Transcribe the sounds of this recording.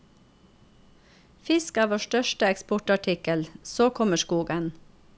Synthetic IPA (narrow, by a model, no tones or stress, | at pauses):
fɪskæːʋoːʃʈœʃʈəɛkspʊʈɑʈʰɪkəlsoːkʰɔməʃkuːɡən